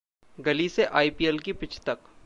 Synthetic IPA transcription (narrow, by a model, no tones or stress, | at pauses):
ɡɐliseʔaːipielkipɪt͡ʃʰt̪ɐk